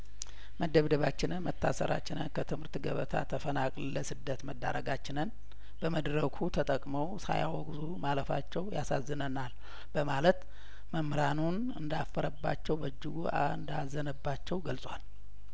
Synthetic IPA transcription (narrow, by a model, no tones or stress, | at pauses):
məd̪əβd̪əβat͡ʃːɪnɨnmət̪ʰːa̰sə̰ɾa̰t͡ʃːɪnənkʰət̪ʰɨmhɨɾt̪ɡəβət̪ʰa̰t̪ʰːəfənakʼlləsɨd̪ːət̪məd̪ːa̰ɾəɡat͡ʃːɪnɨn | b̥əməd̪ɾəkʰut̪ʰət̪ʼəkʼməwsa̰ja̰wɔɡzumaləfa̰t͡ʃːɛwjasazːɨnənal | b̥əmalət̪ | məmɾanun | ɨnd̪afːəɾəbːa̰t͡ʃːɛwbəd͡ʒːɪɡuaɨnd̪azːənəbːat͡ʃːɛwɡəlsʼwal